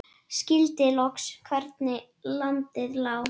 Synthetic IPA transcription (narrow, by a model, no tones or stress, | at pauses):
scɪlt̪ɪlɔkskʰvɛɾt̪nɪ | lant̪ɪðlaːw